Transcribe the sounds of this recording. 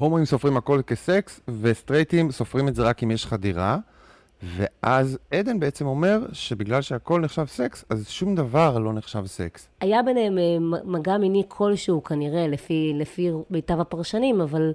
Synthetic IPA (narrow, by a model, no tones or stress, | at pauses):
homimso̞fʁimako̞lkeseksve̞st̪ʁejt̪imso̞fʁimeze̞ʁakimjeʃχadiʁa | ve̞̰ʔazed̪enbeet͡semo̞me̞ʁʃe̞biɡlalʃeako̞lneχʃavse̞ksazʃumd̪avaʁlo̞neχʃavsḛks | ajabenemaːaɡaminikʰo̞lʃeukʰaniʁe̞lefilefimejtavapaʁʃanimaval